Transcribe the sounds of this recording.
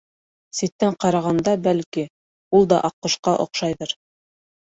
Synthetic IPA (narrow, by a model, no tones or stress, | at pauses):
sit̪ːæɴqɑɾɑʁɑnd̪ɑbælki | ulˠd̪ɑʔɑqːŏʃqɑʔŏ̰qʃɑjðɤɾ